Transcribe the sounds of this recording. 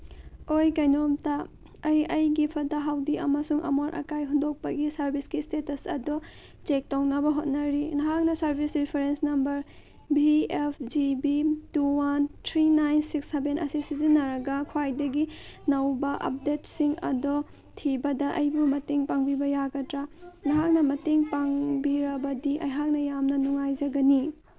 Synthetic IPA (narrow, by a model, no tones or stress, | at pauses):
ojkajnomtɐ | ɐjɐjɡipʰɐtɐɦawdiʔɐmɐsuŋʔɐ̰moɾʔɐ̰kajɦundok̚pɐɡisɐɾbʱisɡistetɐsɐ̰do | t͡ʃek̚townɐbɐɦot̚nɐɾinɐɦak̚nɐsɐɾbʱisɾipʰeɾensnɐmbɐɾ | biepʰd͡ʒibituwantʰɾinajnsiksːebenʔɐsisizinːɐɾɐɡɐkʰwajdɐɡinɐwbɐʔɐ̰p̚detsiŋɐ̰do | tʰibɐdɐʔɐjbumɐteŋpaŋbibɐjaɡɐtɾanɐɦak̚nɐmɐteŋpaŋbiɾɐbɐdiʔɐ̰jɦak̚nɐjamnɐnuŋajd͡ʒɐɡɐni